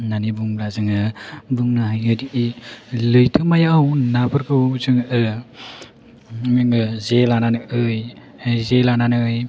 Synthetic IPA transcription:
nanibuŋblazɯŋɯbɯŋnaɦajɯdiʔilɯjtʰɯmajaawnabɯɾkɯwzɯŋɯ | ŋɯzelananɯɯj | zelananɯj

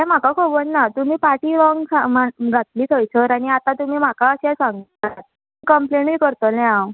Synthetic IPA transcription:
ɦɛ̃m̤akakʰobənːat̪um̤iːpaʈiːlɔŋɡsamaɡʱat̪̚liːt̪ʰəjt͡sʰəɾaɽ̃iat̪ãt̪um̤iːm̤akaəɕɛsãŋɡa | ikəmplenikəɾt̪olɛ̃ãw

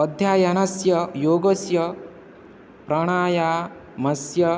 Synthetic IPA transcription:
ɔd̪ʱjaːjɐnɐsjɐjoːɡosjɐ | pɾɐɽ̃aːjaː | mɐsjɐ

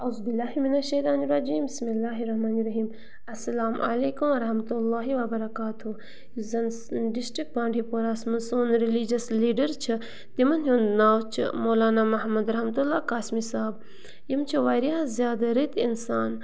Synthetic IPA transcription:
ɐwzbilːaːɦiminɐlʃɐːt̪aːniɾɐd͡ʒiːmbismilːaːɦiɾɐɦmaːniɾɐɦiːm | ɐsːɐlaːmʔɐ̰leːkumɐɾɐɦmɐt̪ulːaːɦiwɐbɐɾɐkaːt̪ʰu | zɐnsɖisʈɾik̚ʈ̚bãːɳɖʱipoːɾaːsmɐnsuːnɾilid͡ʒɐsliːɖɐɾt͡ʃʰɨ | t̪imɐnɦjuːnd̪naːwt͡ʃʰɨ̰moːlaːnaːmɐɦmɐd̪ɾɐhmɐt̪ulːaːkaːsmisaːb | jimt͡ʃʰiʋaːɾiɐzjaːd̪aɾit̪insaːn

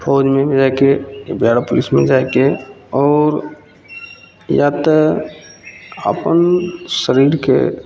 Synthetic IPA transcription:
pʰoːd͡ʒmẽmed͡ʒajkebʱjaɽapʊlismḛ̃d͡ʒajkeɔːɾ | jat̪ə | ə̰pənsəɾiːɾkḛ

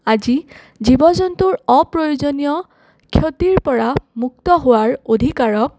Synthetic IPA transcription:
azi | zibɔzɔntuɹɔpɹojuzonijɔ | kʰjot̪iɹpɔɹamuk̚tɔɦʊwaɹod̪ʱikaɹɔk̚

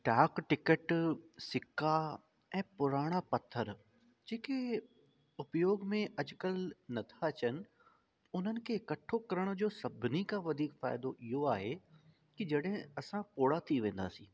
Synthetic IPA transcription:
ʈaːkʈɪkəʈsɪkʰːa | ɛ̃ːpʊɾaːɽ̃apɐt̪ʰːəɾ | d͡ʑeːke | ʊpjoːɡmẽʔɐd͡ʑʊkəlnɐt̪ʰat͡ɕənɪ̆ | ʊn̤ənɪ̆kʰeɪkɐʈʰokɐɾəɽ̃ʊ̆d͡ʑoːsɐbʱɪnikãʋɐd̪ʱiːkfaːɪd̪oʔɪɦoaːɦe | kid͡ʑɐɽɦɪ̃ɐsãpoːɽat̪ʰiʋẽːnd̪a̰ːsĩː

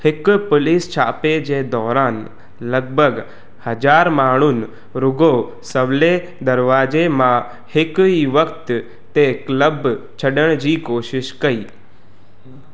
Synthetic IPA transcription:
hɪkpʊlɪst͡ʃʰaːped͡ʒed̪ɔːɾaːn | ləɡ̚bʱəɡ | həd͡ʒaːɾmaːɽ̃ʊn | ɾʊɡo | səʋle | d̪əɾʋaːd͡ʒemã | hɪkiʋəkt̪ | t̪ekləbt͡ʃʰəɖəɽ̃d͡ʒiːkoːʃɪʃkəiː

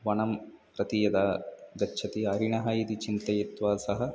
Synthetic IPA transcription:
ʋɐɳɐmpɾɐt̪ijɐd̪aːd̪ɐtːʃʰɐt̪iɐɾiɳɐɦɐjid̪it͡ʃint̪ɐjit̪ʋaːsɐɦɐ̆

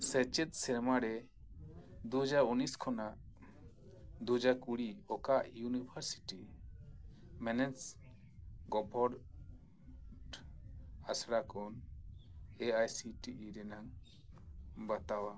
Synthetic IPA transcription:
sət͡ʃɛt̪̚ˀsɛɾmaɾɛ | d̪uɦd͡ʒaɾuniskʰɔnaʔ | d̪ud͡ʒakuɽiɔkaʔjunibʰʱaɾsi̥ʈi | mɛnɛs | ɡɔbʱɔɾ | ɖ | asɽakɔn | eajsiʈiʔɾɛnaŋ | bat̪awa

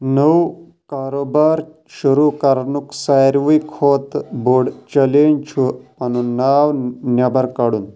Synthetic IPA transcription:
nəw | kaːɾoːbaːɾ | ʃuɾukaɾnuksajɾʋijkʰoːt̪boɽt͡ʃɐlent͡ʃʰuɐnunaːʋnjabɐɾkaɽun

